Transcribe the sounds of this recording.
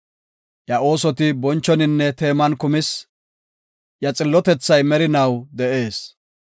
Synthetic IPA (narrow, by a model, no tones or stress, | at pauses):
jɐo̞ːsɔt̪ɪbɔnt͡ʃːɔnɪnːɛt̪e̞ːmɐnkʊmɪs | jɐt͡sʼɪlːɔt̪ɛt͡sːɐjmɛɾɪnɐwd̪ɛʔe̞ːs